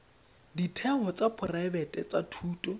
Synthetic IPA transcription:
ditʰɛɦɔt͡sʼapʰʊraɛbɛtʼɛt͡sʼatʰuːtʼɔ

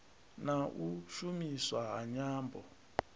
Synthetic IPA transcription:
naʔuʃumiswaɦaɲaːmbɔ

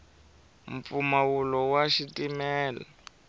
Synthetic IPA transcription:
mp̪fumawulɔwaʃitimɛːla̰

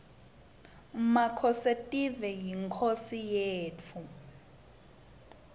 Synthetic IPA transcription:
makʰɔsetʼivɛjiŋkʰosijeːt͡fʰu

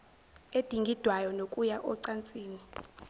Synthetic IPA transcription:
ed̥ʱiŋɡʱid̥ʱwajɔnokʼujaʔɔǀant͡sʼiːni

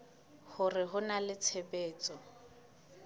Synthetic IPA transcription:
hʊrɪɦʊnalɪt͡sʰepeːt͡sʼɔ

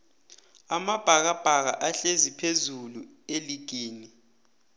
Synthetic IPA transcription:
amab̥ʱak̬ab̥ʱak̬aʔaɬezipʰezulu | eliɡ̥ʱeːni

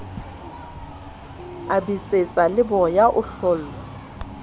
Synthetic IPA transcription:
abit͡sʼet͡sʼalɪbɔjaʔʊɬɔːl̩ːɔ

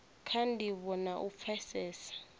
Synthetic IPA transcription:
kʰandʱiɓɔnaʔup̪fʰɛsɛːsḁ

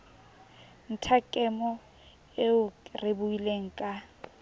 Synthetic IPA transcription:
n̩tʰakʼɛmɔ | eʊrɪbuileŋ̩kʼa

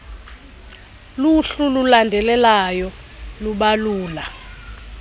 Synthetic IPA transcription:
luɬululandʱɛlɛlajɔ | luɓaluːla

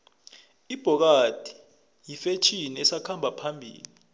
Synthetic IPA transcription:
ib̥ʱɔk̬ad̥ʱi̥ | jifet͡ʃʰiniɛsakʰambʱapʰambʱḭːlii

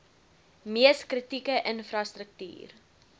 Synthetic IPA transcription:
miəskrətikəʔənfrɐstɾək̚ty̰ːr

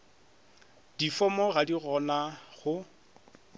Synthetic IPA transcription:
d̥ifɔmɔradiɣɔnaχʊ

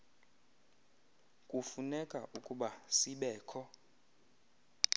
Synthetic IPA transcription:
kʼufunɛkʼa̰ʔukʼuɓasiɓɛːkʰɔ

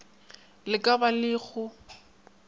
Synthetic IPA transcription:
lɪkʼabalɪːɣʊ

